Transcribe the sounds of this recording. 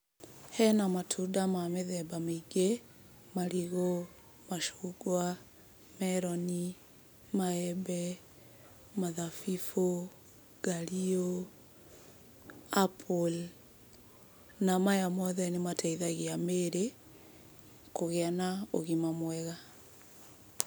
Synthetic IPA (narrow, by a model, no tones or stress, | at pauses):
hɛnamatʰudamameðɛbameiɡe | maɾiɣo | maʃu̥ɡwa | mɛɾɔni | maɛbɛ | maðafifo | ɡ̥alio | apʰol | namajamɔðɛnematʰaiðaɣiameɾe | koɣeanao̰ɣimamwɛɣa